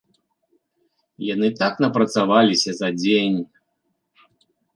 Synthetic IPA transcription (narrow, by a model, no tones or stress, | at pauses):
janɨt̪aknɐpɾɐt̪savalʲisʲɐzɐd͡zʲenʲ